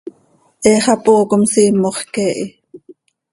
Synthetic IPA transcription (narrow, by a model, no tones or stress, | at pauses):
ʔeːχɑpoːkomsiːmːoχkeːʔi